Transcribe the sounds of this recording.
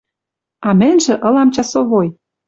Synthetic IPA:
ɑmɘ̆nʲʒĕʔɤ̆lɑmt͡ɕɑsoβoj

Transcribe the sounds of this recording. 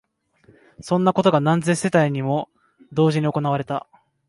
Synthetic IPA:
sõ̞nːako̞t̪o̞ɡanãnze̞se̞t̪aiɲ̟imo̞ | d̪o̞ːʑiɲ̟io̞ko̞naβaɾe̞t̪a

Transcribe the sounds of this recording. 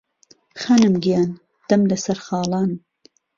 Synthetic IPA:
xanɨmɡijaːn | d̪̥ɐmlɐsɐɾxɑːlɑːn

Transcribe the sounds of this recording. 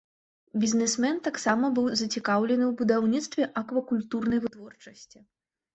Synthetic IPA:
bʲizʲnɛsmɛnt̪aksamɐbɨwzɐt͡sʲikawlʲɛnɨwbud̪awnʲit̪st̪vʲɛʔɐkvɐkulʲt̪urnɐjvɨt̪vɔrt͡ʂɐsʲt͡sʲi

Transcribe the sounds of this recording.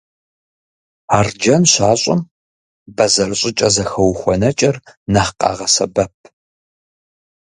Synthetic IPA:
aːrd͡ʒɐnɕaːɕʼɪ̰m | bɐzɐrɨɕʼɪt͡ʃʼɐzɐxɐwxʷɔnɐt͡ʃʼɐrnɐħqʼɑ̰ːʁɐsɐbɐp̚ʰ

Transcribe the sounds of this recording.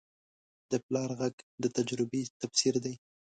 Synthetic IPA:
d̪̥əplɑɾɣaɡd̪ət̪ad͡ʒɾɪbet̪afsiɾd̪aj

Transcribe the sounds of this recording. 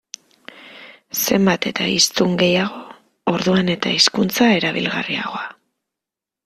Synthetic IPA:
se̞mbat̪e̞t̪aist̪uŋɡe̞jaɣo̞ː | ɾðuane̞t̪aiskunt͡sae̞ɾaβḭlɣa̰ria̰ɣo̞a

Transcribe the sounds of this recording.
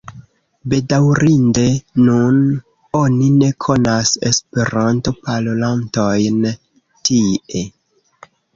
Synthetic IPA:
be̞dawɾinde̞nun | o̞nine̞kʰo̞nase̞̰spe̞ɾanto̞palolanto̞jn | tie

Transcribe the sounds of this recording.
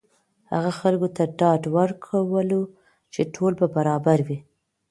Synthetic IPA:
ha̰ɣaxalɡot̪aɖɑɖwəɾkʰawəlo | t͡ʃeʈʰolbabaɾɑbaɾwi

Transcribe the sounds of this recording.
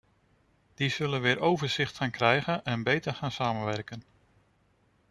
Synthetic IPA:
d̥iz̥ɵlənʋɪːɾʔowvəɹz̥ɪχtχaːnkrɛjɣənɛnbejtəɹχaːnsaːmənʋɛɹkən

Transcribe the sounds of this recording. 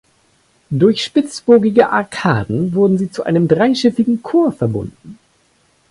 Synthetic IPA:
dʊɐçʃpɪt͡sb̥oːɡɪɡəʔaɐkʰaːdn̩vʊɐdn̩ziːt͡suʔa̰ɪnəmdʁaɪʃɪfɪɡŋ̩kʰoːɐfɛɐbʊ̰ndn̩

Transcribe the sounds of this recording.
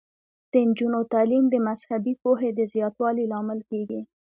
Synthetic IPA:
d̪̥ənd͡ʒunot̪ɑlimd̪əmazhabipoɦed̪əzjɑt̪wɑlilɑmɪlkeɡi

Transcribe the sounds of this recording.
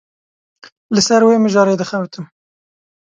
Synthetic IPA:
lɨsɛɾweːmɨʒɑːɾeːd̪ɨxɛwt̪ʰɨm

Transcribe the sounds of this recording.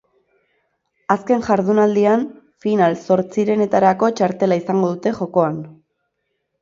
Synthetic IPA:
aske̞nʝaɾð̞unald̪ian | finalso̞ɾt͡siɾe̞ne̞t̪aɾako̞t͡ʃaɾt̪e̞laisaŋɡoðut̪e̞xo̞ko̞an

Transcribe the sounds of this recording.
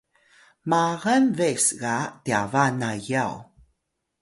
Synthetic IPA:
maɣanvesɡatiavanajaw

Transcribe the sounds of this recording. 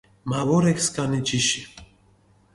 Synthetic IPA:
mavɔɾɛkskʼanit͡ʃiʃi

